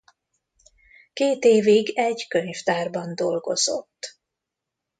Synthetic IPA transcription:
keːt̪eːviɡɛɟkøɲft̪aːrbɒnd̪o̞lɡo̞̰z̥o̞̰t̪ː

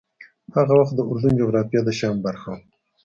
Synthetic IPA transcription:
haɣawaxt̪̚d̪əʊɾd̪und͡ʒoɣɾɑfijɑd̪əʃɑmbaɾxaw

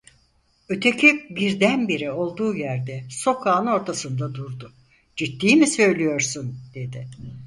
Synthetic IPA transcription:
ø̞t̪ʰecʰibiɾd̪ænbiɾio̞lˠd̪uːjæɾd̪ɛso̞kʰaːno̞ɾt̪ʰasɯnd̪ad̪uɾd̪ʊ | d͡ʒit̪ːiːmisø̞jlʲijo̞ɾsund̪̥e̞d̪ɪ

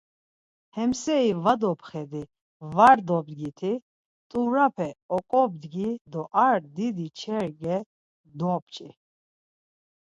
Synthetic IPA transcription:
hɛmsɛivad̪ɔpʰχɛd̪i | vaɾd̪ɔb̚d̪ɡit̪ʰi | t̪ʼuɾapʰɛɔkʼɔb̚d̪ɡid̪ɔʔaɾd̪id̪it͡ʃʰɛɾɡɛ | d̪ɔp̚t͡ʃʼi

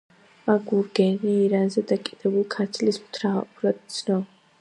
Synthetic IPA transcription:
maɡuɾɡɛniːɾanzɛd̪akʼid̪ɛbulˠkʰat̪sʰlismt̪ʰɾapuɾad̪t̪sʰnɔ

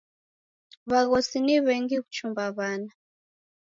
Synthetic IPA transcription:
βaɣɔsiniβɛŋɡikut͡ʃumbaβaːna

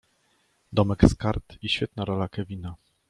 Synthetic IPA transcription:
d̪ɔmɛkskaɾt̪iɕfʲɛt̪̚naɾɔlakɛvʲina

